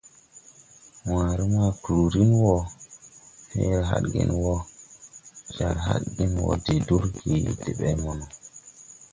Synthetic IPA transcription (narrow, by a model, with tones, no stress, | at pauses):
wãː˨ɾi˦ma˦˨kɾu˨ɾi˦nwɔ˦ | hḛ˦ɦa̰˦ɗɡḭ˨nwo˦ | d͡ʒa˨ɾɦa̰˦ɗɡi˦nwɔ̰˨de˨du˦ɾki˨de˨ɓɛ˦mɔ˨nɔ˨